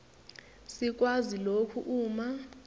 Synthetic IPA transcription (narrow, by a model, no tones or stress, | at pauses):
sik̬ʼwazilokʰṵʔuːma